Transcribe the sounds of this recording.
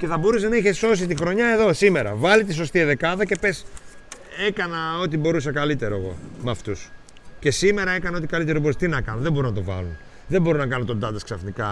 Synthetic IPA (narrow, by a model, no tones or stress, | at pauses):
ce̞θɐbo̞ɾusenɐeçeso̞s̬it̪ixɾo̞ɲɐe̞ðo̞sime̞ɾɐ̰vɐlit̪is̬o̞st̪iðekɐðɐce̞pe̞s | e̞kɐnɐo̞t̪ibo̞ɾusɐkɐlit̪e̞ɾo̞e̞ɣo̞̰mɐft̪us | ce̞sime̞ɾɐe̞kɐnɐo̞t̪i̥kɐlit̪e̞ɾoboɾust̪inɐkɐnoðemboɾonɐt̪o̞vɐ̰lun | ðembo̞ɾonɐkɐnot̪od̪ɐd̪ɐsksɐfnikɐ